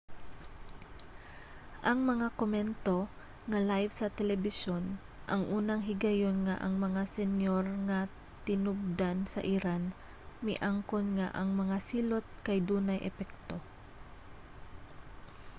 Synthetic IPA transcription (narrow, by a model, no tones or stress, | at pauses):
ʔɐŋmɐŋakomɛnt̪o̞ | ŋɐlajvsɐt̪ɛlɛbɪʃon | ʔɐŋʔuːnɐŋɦɪɡajonŋaʔɐŋmɐŋasɛnjoɾŋa | t̪ɪnʊb̚d̪ansɐ̰ʔiɾan | mɪʔaŋkonŋaʔɐŋmɐŋasiːlot̪̚kajd̪uːnajʔɛ̰pɛk̚t̪o̞